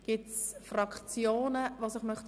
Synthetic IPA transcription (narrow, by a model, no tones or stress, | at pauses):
ɡ̥ɪt͡sfrɑkχt͡sjoːnəvosɪχmœχt